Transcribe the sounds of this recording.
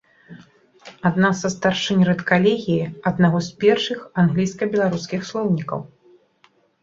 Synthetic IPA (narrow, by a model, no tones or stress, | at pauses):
ad̪nasɐst̪arʂɨnʲrɛt̪kalʲeɣʲijiɐd̪naɣɔspʲɛrʂɨxanɣlʲijskɐbʲɛlˠaɾuskʲixslˠɔwnʲikɐ̰w